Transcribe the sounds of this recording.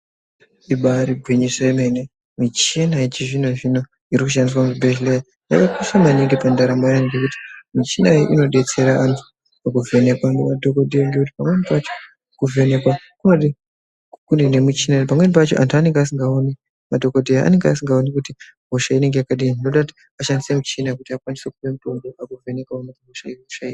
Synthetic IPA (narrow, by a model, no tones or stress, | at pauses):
iɓaɾiɡʱwiɲisaemene | mit͡ʃinaet͡ʃiʐino̞ʐino̞ | iɾikuʃ̬andis̬amuibʱeʒleja | ja̰kakusamaniŋɡepandaɾamojaniɡekuti̥mit͡ʃinaiʔino̞ɗe̞t͡se̞ɾaʔantʰu̥ | akuve̞ne̞kwaŋɡemadʱo̞kodʱejaŋɡekuti̥pamwe̞nipat͡ʃo | kuve̞ne̞kwa | kunoi | kundenemit͡ʃinanpamwenipat͡ʃoʔa̰ntuane̞ŋɡeas̬iŋɡaone | madʱo̞ko̞dʱejaa̰ne̞ŋɡeasiŋɡaonikuti | bʱoʃaine̞ŋɡe̞jakaɗiinino̞ɗakuti̥ | aʃandise̞mut͡ʃinakutiakwandise̞kuʋe̞muto̞ndoʔakuve̞nekwaonakubʱoʃairiku̥ʃaira